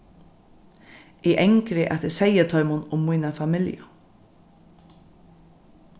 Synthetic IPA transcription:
ɪʔɛŋkɾɪʔa̰t̪ɪsɛjət̪ʰɔʏmʊnʊmːujnafamɪljʊ̰

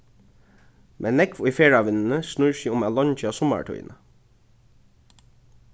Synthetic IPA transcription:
mʔeːnɛkʋoiːfeːɹɑʋɪnn̩əsnʉɹʃiːʊmɑːlɔɲt͡ʃəɑːsɔmə̰ʈʰœ̰ʏə̰nʔə

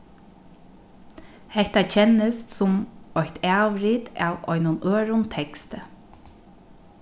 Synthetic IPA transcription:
hɛht̪at͡ʃʰɛnəst̪sʊmɔht̪aːʋɾiːt̪a̰ːʋɔ̰jnʊnøːɹʊnt̪ʰɛkst̪ə

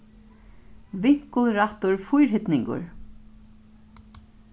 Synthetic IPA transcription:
vɪŋ̥kəlɾaht̪ʊɹfʊjɹɦɪt̪nɪŋkʊ̰ɹ

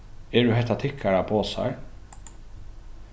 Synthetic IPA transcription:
ɛɖʉɦɛt̪at̪ʰɪkʰːaɾapʰoːsa̰ɹ

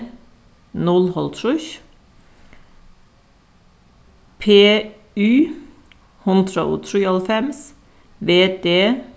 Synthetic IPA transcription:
nɔlhɔlt̪ʰɾʊç | pʰeː | ʉː | hʊnt̪ʰɾɑ̰ʔṵːt̪ʰɾʉːɑlfɛms | ʋeːd̪eː

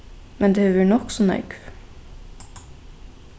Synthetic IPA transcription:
mʔɛnd̪eːøʋæɳɔksɔnœ̰ʏɡ

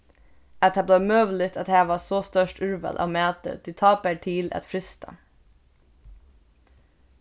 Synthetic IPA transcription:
ɛt̪ʰɑblɑːmøːʋl̩ɪt̪ʰɑt̪hæːʋɑːsoːst̪œʃʈʉɹʋə̰lʔɑ̰ːmæːt̪ə̰d̪̥iːt̪ʰɑːpæʈʰiːlʔɑ̰t̪fɾɪst̪ɑ̰

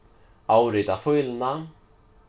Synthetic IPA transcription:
aːwɾɪjt̪afœjlna

